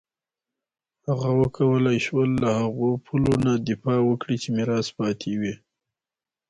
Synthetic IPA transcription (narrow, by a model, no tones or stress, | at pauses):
haɣawəkʰawəlajʃwəlːahaɣopʰulonad̪ɪfɑwəkɽit͡ʃemɪɾɑspɑt̪ʰewi